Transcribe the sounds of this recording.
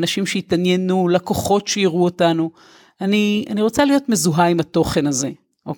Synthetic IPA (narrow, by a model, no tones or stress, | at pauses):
naʃimʃeitanjenulakoχo̞tʃejiʁuotanu | ania̰niʁo̞t͡salijo̞tmezuɦaimato̞χe̞naze̞ | o